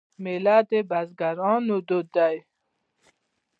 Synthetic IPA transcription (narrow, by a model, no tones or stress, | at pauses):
melad̪ebazɡaɾɑːnud̪od̪aj